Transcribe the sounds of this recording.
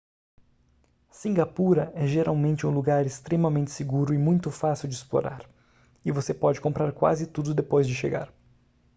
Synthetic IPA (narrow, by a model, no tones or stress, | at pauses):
sĩŋɡapuɾɐɛʒeɾawmẽnt͡ʃɪũluɡaɾɪst̪ɾemɐmẽnt͡ʃ̪ɪseɡuɾʊɪmũj̃t̪ʊfasiwd͡ʒɪsplo̰ɾa̰ɾ | ɪvosepɔd͡ʒɪkõpɾaɾkwa̰zɪt̪ud̪ʊd̪epojzd͡ʒɪʃeɡa̰ɾ